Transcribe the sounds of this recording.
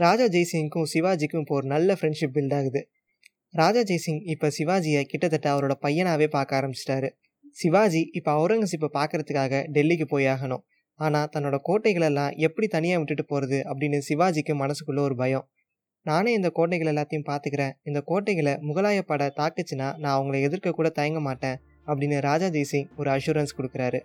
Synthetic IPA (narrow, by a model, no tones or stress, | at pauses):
ɾaːd͡ʒaːd͡ʒɐɪsɪŋkʊ̃sɪʋaːd͡ʒɪkːɯ̃ɪpːɐɔɾɯnɐlːɐfɾɛɳɖʂɪp̚bɪlɖaːɣɯðɯ | ɾaːd͡ʒaːd͡ʒɐjsɪŋɪpːɐːsɪʋaːd͡ʒɪjɐkɪʈːɐt̪ːɐʈːɐɐʋɐɾoːɽɐpɐjːɐnaːʋeːpaːɾkaːɾɐmbɪt͡ʃːɪ̥ʈːaːɾɯ | sɪʋaːd͡ʒiɪpːoɐʊɾɐŋɡɐs̬ɪp̬ːɐpaːɾkɪɾɐt̪ɯkːaːɣɐɖɛlːik̬ːɯpoːjaːɣɐnʊ̰̃ | aːnaːt̪ɐnːoːɽɐkoːʈːɐɪɣɐɭɛlːãːʔɛpːɐɽit̪ɐnɪjaːʋɪʈːɯʈːɯpoːɾɐðɯʔɐpːɐɽɪnːɯsɪʋaːd͡ʒɪkːɯmɐnɐsɯkːɯlːɐɔɾɯbɐjɔ̃ | naːneːɪnd̪ɐkoːʈnɐɛɪɣɐɭɛlːaːt̪ːɐjʊ̃mpaːɾt̪ɯkɪɾẽːɪnd̪ɐkoːʈːɐɪɣɐɭɐmʊɣɐlaːjɐpːɐɽɐt̪aːkːɐt͡ʃːɯnːaːnãːɐʋɐŋɡɐɭɐɛðɪɾkɐkːuːɽɐt̪ɐjɐŋɡɐmaːʈːẽː | ɐpːɐɽɪnːɯɾaːd͡ʒaːd͡ʒ̪eːsɪŋɔɾɯɐʃuːɾɐnskɔɽɯkːɪɾaːɾɯ